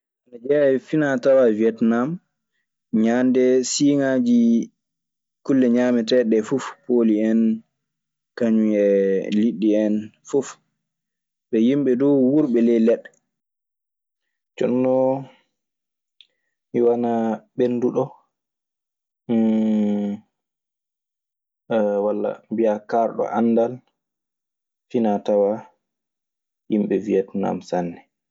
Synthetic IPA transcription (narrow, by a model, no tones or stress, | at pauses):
ʔanad͡ʒɛafinatawaviɛtnam | ɲandɛsiːŋad͡ʒi | kulːɛɲamɛtɛɗɛfufpoliɛn | kaɲuɛliɗːiɛnfuf | ɓɛjimɓɛdɔwwuɾɓɛlɛlɛɗ | t͡ʃɔ̰nːɔ | miwanabenduɗɔ | walːa̰mbijakaɾɗɔ̰ʔanːdal | finatawa | jimɓɛvijatuna̰msanːɛ